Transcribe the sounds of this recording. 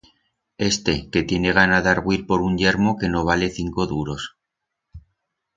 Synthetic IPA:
e̞st̪e̞ke̞t̪je̞ne̞ɣ̞anaðaɾɣwiɾpo̞ɾuɲʎe̞ɾmo̞ke̞no̞β̞ale̞θiŋko̞ðuɾo̞s

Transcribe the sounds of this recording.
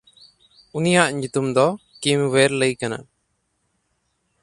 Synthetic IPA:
unijaʔɲut̪umd̪ɔkimweɾləjkana̰

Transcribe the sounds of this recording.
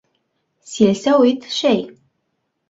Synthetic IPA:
silsɐwit̪ʰʃɛj

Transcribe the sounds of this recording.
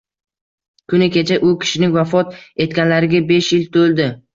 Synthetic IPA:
kʰʊnɪkʲʰe̞t͡ʃʰaʔʊkʲʰɪ̥ʃɪnɪŋvafɒt̪e̞t̪̚kʲanlaɾɪɡʲabe̞ʃjɪlt̪ʰɵlˠd̪ɪ

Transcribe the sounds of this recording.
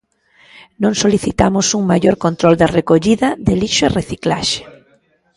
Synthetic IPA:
nõŋsoliθit̪amʊsuŋmaʎoɾkont̪ɾold̪ɐrekoʎiðɐðeliʃoereθiklaʃe̥

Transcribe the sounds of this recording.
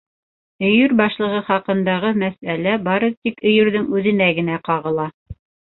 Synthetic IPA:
ɵ̆jɵɾbɑʃlˠɤ̆ʁɤχɑqɤ̆nd̪ɑʁɤmæsælæbɑɾɤðt̪ikɵ̆jɵ̆ɾðɘŋʉðɘ̆næɡɘ̆næqɑʁɤ̆lˠɑ

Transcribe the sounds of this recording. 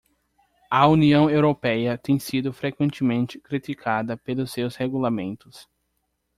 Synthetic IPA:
ɐuniɐ̃w̃ewɾopɛjɐt̪ẽj̃sid̪ʊfɾekwẽnt͡ʃ̪ɪmẽnt͡ʃɪ̥kɾit̪ikʰad̪ɐpelʊsewsheɡulamẽnt̪ʊs

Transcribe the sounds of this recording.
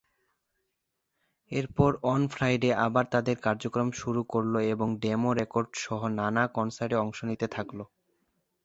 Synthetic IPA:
eɾpɔɾɔnfʰɾajɖeabaɾt̪ad̪eɾkaɾd͡ʑokɾomʃuɾukoɾloeboŋɖemoɾekoɾɖʃɔɦonanakɔnsaɾʈeɔŋʃonit̪et̪ʰaklo

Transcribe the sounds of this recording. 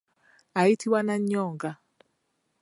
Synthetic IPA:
aitʰiwanaɲːɔːŋɡa

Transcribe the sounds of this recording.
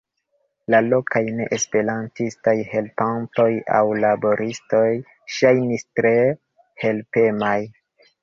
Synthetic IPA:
lalo̞kajne̞ʔespe̞ɾantistajhe̞lpanto̞ja̰wlabo̞ɾisto̞j | ʃajnistɾe̞ | he̞lpe̞maj

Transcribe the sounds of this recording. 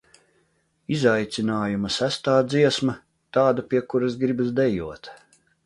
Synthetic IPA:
izajt̪sinaːjumɐsæst̪aːd̪ziɛsmɐ | t̪aːd̪apʲiɛkuɾas̬ɡɾibazd̪ɛjuɔt̪

